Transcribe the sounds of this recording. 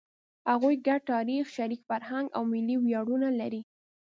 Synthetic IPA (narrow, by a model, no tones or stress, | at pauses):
haɣujɡaɖ̚ʈɑɾixʃaɾikfaɾhaŋɡa̰wmɪliwjɑɽunalaɾi